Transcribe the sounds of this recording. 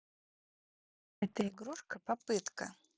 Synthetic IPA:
ɛtʰɐiɡɾuʂkʰɐpapɨtkɐ

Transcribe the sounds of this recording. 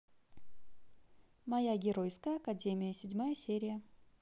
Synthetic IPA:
mɐjaɡʲɪɾo̞jskəjəɐkɐdʲemʲɪjəsʲɪdʲmajəsʲeɾʲɪjə

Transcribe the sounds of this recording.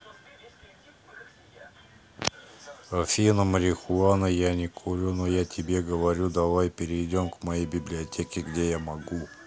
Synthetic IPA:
ɐfʲinəməɾʲɪxʊanəjanʲɪkʰuɾʲʊnojatʲɪbʲe̞ɡəvɐɾʲud̪ɐvajpʲɪɾʲɪjdʲo̞mkmɐjejbʲɪblʲɪɐtʲekʲɪɡdʲe̞jamɐɡu

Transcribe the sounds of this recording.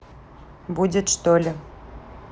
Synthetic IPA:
budʲɪt̪ʂt̪olʲɪ

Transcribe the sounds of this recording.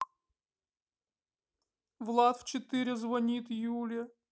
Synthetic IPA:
vlˠat̪ft͡ɕɪt̪ɨɾʲɪzvɐnʲit̪julʲə

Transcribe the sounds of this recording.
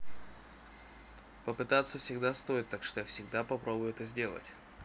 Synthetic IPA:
pəpɨt̪at̪sːəfsʲɪɡd̪ast̪o̞ɪt̪ːakʂt̪ojafsʲɪɡ̚d̪apɐpɾobʊjʊɛt̪əzʲdʲe̞lˠə̰tʲ

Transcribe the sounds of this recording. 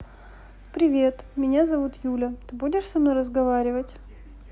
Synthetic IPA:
pɾʲɪvʲe̞t̪mʲɪnʲazɐvut̪julʲət̪ɨbudʲɪʂsɐmnojɾəzɡɐvaɾʲɪvətʲ

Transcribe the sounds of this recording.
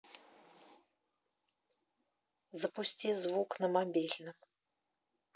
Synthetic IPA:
zɐpusʲt͡sʲizvuknɐmabʲilʲnɨ

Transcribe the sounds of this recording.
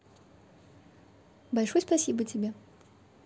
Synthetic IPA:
bɐlʲʂɔjspɐsʲibɨtʲɪbʲe

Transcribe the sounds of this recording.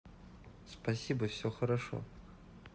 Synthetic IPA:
spɐsʲibɐfsʲoxɐɾaʂo̰

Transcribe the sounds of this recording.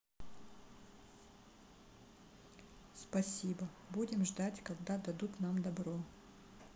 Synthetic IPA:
spɐsʲibə | budʲɪmʐd̪atʲkɐɡd̪ad̪ɐd̪ut̪namd̪ɐbɾo

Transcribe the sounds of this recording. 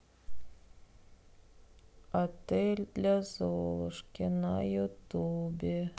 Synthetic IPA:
at̪elʲd̪lʲæzolˠɤʂkʲenɑjut̪ubʲe

